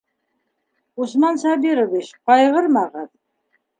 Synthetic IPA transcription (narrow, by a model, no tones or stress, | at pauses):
usmɑnsɑbiɾoβiɕqɑjʁɤɾmɑʁɑt̪